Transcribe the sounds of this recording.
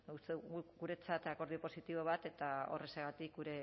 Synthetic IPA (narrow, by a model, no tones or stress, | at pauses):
ust̪euɡuɾe̞t͡sat̪ako̞ɾð̞io̞po̞sit̪iβo̞β̞at̪e̞t̪ao̞̰re̞seɣat̪ik̚ɡuɾe̞